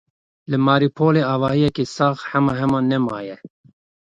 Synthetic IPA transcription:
lɨmɑːɾipʰoːleːɑːvɑːhijɛkeːsɑːxhɛmɑːɦɛmɑːnɛmɑ̰ːjɛ

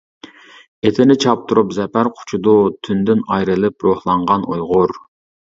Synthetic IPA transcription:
et̪ʰɪnɪt͡ʃʰɑp̚t̪ʰuɾupzɛpæɾqʰʊ̥t͡ʃʰud̪ʊt̪ʰynd̪ɪnɑjɾɨlˠɪp̚ɾohlˠɑɴʁɑnojʁʊɾ

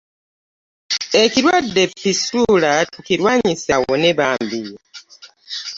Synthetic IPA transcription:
eciɾwadːepisulatuciɾwaːɲisawoneβaːmbij

